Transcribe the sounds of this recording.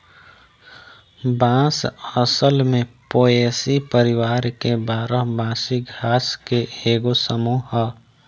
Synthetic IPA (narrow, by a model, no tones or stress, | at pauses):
bãːsəsəlmẽpoːeːsipəɾɪwaːɾkebaːɾəɦbãːsiɡʱaːskeeːɡosəmuɦə